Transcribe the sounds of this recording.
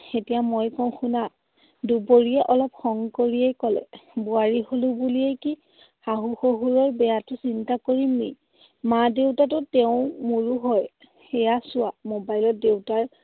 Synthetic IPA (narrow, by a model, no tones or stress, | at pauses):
etijamojkɔ̃xuna | duboɹiɛʔɔlɔp̚xɔŋkoɹiɛjkɔlɛ̰buaɹiholʊbulijɛki | xaɦuxoɦuɹɔɹbɛjatʊsintakoɹimi | madewtatʊteʊ̃muɹuɦɔj | ejasʊwamobajlɔt̚dewtaɹ